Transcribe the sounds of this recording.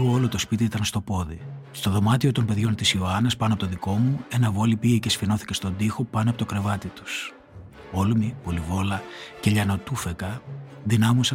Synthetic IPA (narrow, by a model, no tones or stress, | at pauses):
oolo̞t̪ospit̪iit̪ɐnst̪o̞po̞ðist̪o̞ðo̞mɐt̪io̞t̪o̞mpe̞ðʝo̞nt̪isioɐnɐspɐnoɐpo̞t̪oðiko̞mue̞nɐvo̞lipiʝecesfino̞θi̥cest̪o̞nd̪ixo̞pɐnoɐpo̞t̪o̞kɾe̞vɐt̪it̪u̥s | o̞lumipo̞livo̞lɐce̞ʎɐno̞t̪ufe̞kɐðinɐmusɐ